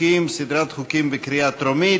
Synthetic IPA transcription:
imsid̪ɾat̪χukimbekɾiat̪ɾomi

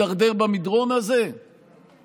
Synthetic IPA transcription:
aʁd̪eʁbamid̪ʁo̞naze

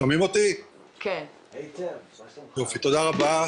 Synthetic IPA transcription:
amimot̪i | kʰen | jofit̪od̪aʁaba

